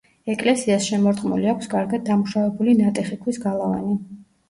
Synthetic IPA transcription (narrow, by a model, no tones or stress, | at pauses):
ɛkʼlɛsiasʃɛmɔɾt̪χʼmṵliakʷʰskʼaɾɡad̪̚d̪amuʃavɛbulinat̪ʼɛχikʰwisɡalˠava̰ni